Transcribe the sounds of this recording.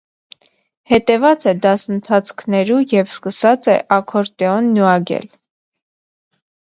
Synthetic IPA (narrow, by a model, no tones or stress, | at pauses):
hɛt̪ɛvɑt͡sɛd̪ɑsənt̪ʰɑt͡sʰkʰnɛɾujɛvskəsɑt͡sɛʔɑkʰɔɾt̪ɛɔnːuɑɡɛ̰l